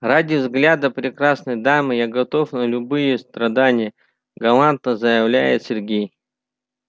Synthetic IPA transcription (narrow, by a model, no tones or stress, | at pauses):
radʲɪvzɡlʲad̪əpɾʲɪkɾasnəjd̪amɨjaɡɐt̪o̞fnəlʲʊbɨjəst̪ɾɐd̪anʲɪjə | ɡɐlˠant̪nəzəjɪvlʲæ̰jɪ̰t̪sʲɪrɡʲej